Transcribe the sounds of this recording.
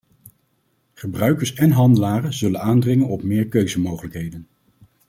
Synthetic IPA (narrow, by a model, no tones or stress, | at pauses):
χəbrœɥkəɹsɛnɦɑndəlaːrənzɵlənaːndrɪŋənɔpmɪːɹkøɥzəmowχələkɦejdən